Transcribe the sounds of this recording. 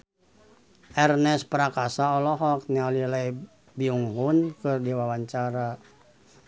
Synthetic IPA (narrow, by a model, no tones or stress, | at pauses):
ʔɛrnɛspəɾakasaɔlɔɦɔk̚nialilaj | biuŋɦunkɨrdiwawaɲt͡ʃaɾa